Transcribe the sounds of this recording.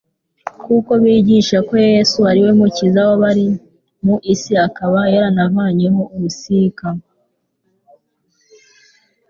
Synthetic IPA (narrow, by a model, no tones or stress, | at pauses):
kuko̞βiːɟiʃako̞jesuaɾiwemucizawoβaɾi | muʔisiakaβajeɾanavaːɲeɦouɾusika